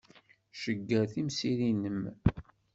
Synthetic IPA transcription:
ʃəɡːæθimsiɾinəm

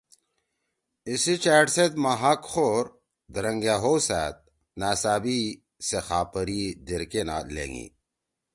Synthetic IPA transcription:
isit͡ɕaːʈset̪maɦakxoːɾ | d̪əɾɐŋɡjaːɦowsæ̰ːt̪̚ | naːsaːbi | sexaːpəɾid̪eɾkena̰lḛŋɡḭ

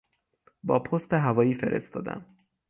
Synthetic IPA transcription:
bɒːpʰost̪eɦævɒːjiːfe̞̰ɾʔe̞̰st̪ɒ̰ːd̪æ̰m

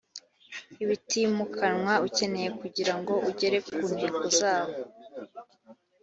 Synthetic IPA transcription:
iβitimukʰanŋwauce̞ne̞je̞kuɟiɾaŋɡo̞ʔuɟe̞ɾe̞kuːndiɡozaːβo

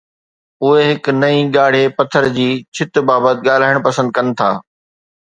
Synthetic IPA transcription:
ʊɦeɦɪknɐĩɠaːɽ̤epɐt̪ʰːəɾd͡ʑiːt͡ɕʰɪt̪baːbət̪ɠaːl̤aːɪɽ̃pɐsə̃nd̪̚kɐnɪ̆t̪ʰa̰ː

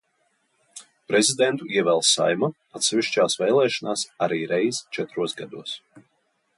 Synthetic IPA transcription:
pɾɛzʲid̪ɛnt̪uiɛvɛlˠsa̰jma | at̪sɛvʲiʃt͡ʃaːsvɛːlˠɛːʃɔnaːsaɾiːɾɛjzt͡ʃɛt̪ɾuɔsɡad̪uɔs

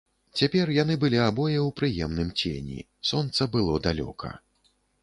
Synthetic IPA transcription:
t͡sʲapʲɛrjan̪ɨbɨlʲiabɔjɛwpɾɨjɛmnɨmt͡sʲḛnʲḭ | sɔnt̪sɐbɨlˠɔd̪alʲɔ̰kʰɐ̰

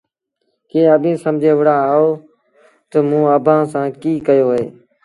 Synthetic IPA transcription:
kẽːəbẽːsəmd͡ʒʱeːʋəɽaːɦoː | t̪əmũːəbʱãːsãːkiːkəjoːɦḛː

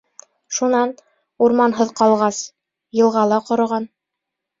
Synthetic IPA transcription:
ʃunɑn | uɾmɑnɦɤðqɑlˠʁɑs | jɤ̆lˠʁɑlˠɑqŏɾŏʁɑn

